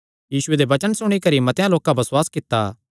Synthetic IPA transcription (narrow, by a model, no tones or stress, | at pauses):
jiːsʊed̪ebɐt͡ʃənsʊɽ̃ikɐɾimɐt̪ejãloːkãbɐsʊwaːskɪt̪ːaː